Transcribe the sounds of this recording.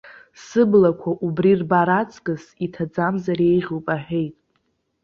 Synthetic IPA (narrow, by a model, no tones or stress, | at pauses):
sɨblakʷʰaʔubrirbaɾat͡sʼkʼɨsitʰad͡zamzaɾe̞jʁʲowpʼaħᶣe̞jtʼ